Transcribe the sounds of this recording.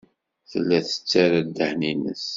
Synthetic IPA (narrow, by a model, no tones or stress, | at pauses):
θəlːæθə̥t͡sːaɾad̪ːəhninə̰s